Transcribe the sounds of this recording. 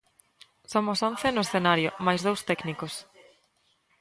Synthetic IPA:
somosõn̟θenʊesθenaɾjomajzðowst̪ɛknikos

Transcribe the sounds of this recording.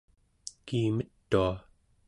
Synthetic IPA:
kiːmət̪ːua

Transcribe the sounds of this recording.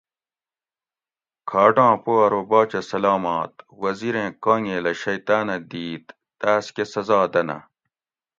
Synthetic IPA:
kʰaːʈãːpoɐɾobaːt͡ɕɐsɐlaːmaːt̪wɐziɾẽːkaːŋeːlɐɕɐjt̪aːnɐd̪iːt̪ːaːskesɐzaːd̪ɐnɐ̰

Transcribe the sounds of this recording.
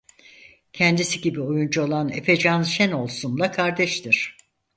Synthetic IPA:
cʰɛnd̪isiɟibiojund͡ʒuolˠanḛfed͡ʒanʃɛno̞lˠsunlˠakʰaɾd̪ɛʃt̪ʰiɾ̥

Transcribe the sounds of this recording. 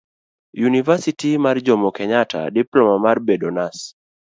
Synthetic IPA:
junivasitimard͡ʒɔmɔkɛɲata̰diplɔmamarbedonas

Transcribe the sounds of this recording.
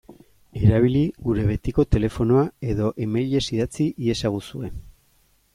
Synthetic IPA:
e̞ɾaβ̞iliɣuɾe̞βe̞t̪iko̞t̪e̞le̞fo̞no̞ae̞ðo̞ʔemajʎe̞siðat͡siʔie̞saɣ̞usue̞

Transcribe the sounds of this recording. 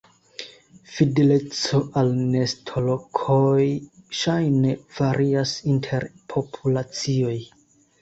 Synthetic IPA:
fide̞le̞t͡so̞ʔalne̞stʰo̞lo̞kʰojʃajne̞v̥aɾʔiasintʰe̞ɾpʰo̞pʰulat͡sio̞j

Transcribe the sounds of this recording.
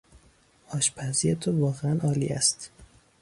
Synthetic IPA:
ʔɒːʃpʰæziet̪ʰovɒːɣeænʔɒːlḭæ̰st̪

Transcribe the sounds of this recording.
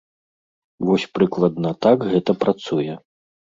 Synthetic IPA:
vɔsʲpɾɨklˠɐd̪nɐt̪akɣɛt̪ɐpɾat̪sujɛ

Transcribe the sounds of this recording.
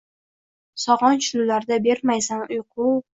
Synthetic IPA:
sɒʁɒnt͡ʃʰʊlʊlaɾd̪abe̞ɾmajsanʊjqʰʊw

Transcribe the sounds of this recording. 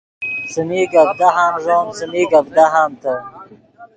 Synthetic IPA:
səmiɡab̚d̪aɦamzoːnsəmiːɡabd̪aɦamt̪ə

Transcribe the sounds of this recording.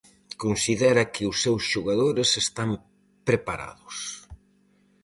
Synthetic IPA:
konsiðɛɾɐkɪʊsːewsʃoɣaðoɾɪsest̪am | pɾepaɾa̰ðʊs

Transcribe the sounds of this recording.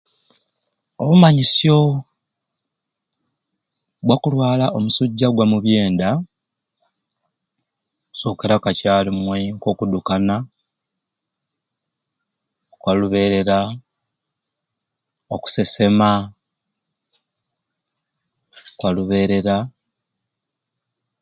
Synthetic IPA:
oβumaɲisjo̞ | ɡwakulwaːlaʔo̞musuɟːaɡwamuβje̞ːnda | uso̞ːke̞ɾakacaːlimweŋko̞ːkudukana | kwaluβe̞ːɾe̞ɾa | oku̥se̞se̞ma | kwaluβe̞ːɾe̞ɾa

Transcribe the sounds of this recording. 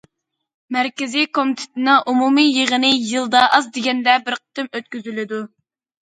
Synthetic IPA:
mæɾkʲɪzikʰomit̪ʰɪ̥t̪ɪnɨŋʔumumijəʁənɨjɨlˠd̪ɑʔɑzd̪ɪɡʲɛnd̪ɛbɪɾqʰə̥t̪ɪmøt̪kʲyzylɪd̪u

